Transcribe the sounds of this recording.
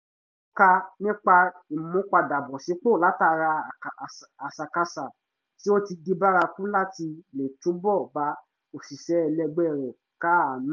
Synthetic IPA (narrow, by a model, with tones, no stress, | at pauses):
ka˧nĩ˦k͡pa˧i˨mũ˨˦k͡pa˧da˨bɔ˨si˨˦k͡po˦˨la˨˦ta˧ɾa˧˨a˨sa˨ka˧sa˨ | ti˦o˦ti˧ɡi˧ba˦ɾa˧fũ˦la˦ti˧le˨tũ˨˦bɔ˦˨ba˨˦ | o˨si˨ʃɛ˨˦ɛ˧lɛ˧ɡ͡bɛ˦˨ɾɛ˨ | ka˦a˨nĩ˦